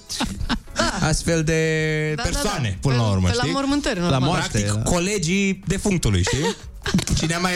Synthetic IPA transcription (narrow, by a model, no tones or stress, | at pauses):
ast̪fe̞ld̪e̞peɾsoane̞̰pɨnəlaṵɾmə̰ʃtaimormɨnt̪əɾʲnlammoakt̪ikkːo̞led͡ʒid̪e̞fuŋt̪ulṵjʃt̪i | t͡ʃineamaj